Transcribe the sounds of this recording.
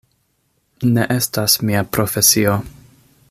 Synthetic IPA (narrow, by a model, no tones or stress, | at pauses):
ne̞ʔe̞stasmiapɾo̞fe̞sio̞